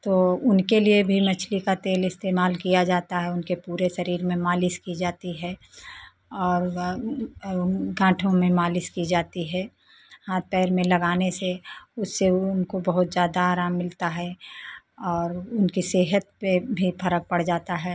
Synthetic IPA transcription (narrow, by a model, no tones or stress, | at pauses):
t̪oːʊnkeliebʱimɐt͡ʃʰlikat̪eːlɪst̪eːmaːlkijad͡ʒaːt̪aɦɛʊnkepuːɾesɐɾiːɾmẽmaːlɪskid͡ʒaːt̪iɦɛ | ɔːɾ | ɡãːʈʰõmẽmaːlɪskid͡ʒaːt̪iɦɛː | haːt̪̚pɛːɾmẽlɐɡaːneseʊsːeʊnkobɐɦʊt̪zjaːd̪aaːɾaːmːɪlt̪aɦɛ | ɔːɾʊnkiseːɦət̪̚pebʱifʰɐɾək̚pɐɽd͡ʒaːt̪aɦɛː